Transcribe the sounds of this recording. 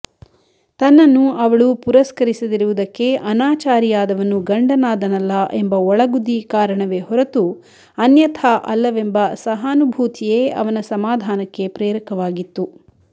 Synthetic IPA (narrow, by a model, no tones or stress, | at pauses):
t̪ɐnːɐnːuɐʋɐɭupuɾɐskɐɾisɐd̪iɾuʋud̪ɐkːe̞ʔɐnaːt͡ʃaːɾijaːd̪ɐʋɐnːuɡɐɳɖɐnaːd̪ɐnɐlːɐʔembɐɔɭɐɡud̪ikaːɾɐɳɐʋe̞hɔɾɐt̪u | ɐnjɐt̪ʰɐʔɐlːɐʋe̞mbɐsɐɦaːnubʱuːt̪ʰije̞ːɐ̰ʋɐnɐsɐmaːd̪ʱaːnɐkːe̞pɾɛːɾɐkɐʋaːɡit̪ːu